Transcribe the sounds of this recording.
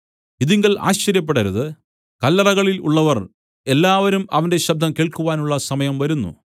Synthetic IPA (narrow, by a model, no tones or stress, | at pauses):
iðiŋɡɐɭʔa̰ːɕt͡ɕɐɾjɐp̬ːeɽɐɾuðɨ | kɐlːɐrɐɣɐɭilṵɭːɐʋɐr | e̞lːaːʋɐɾumɐʋɐnde̞ɕɐb̚d̪ʱɐmkeːɭkuʋaːnuɭːɐsɐmɐjɐmʋɐɾunːṵ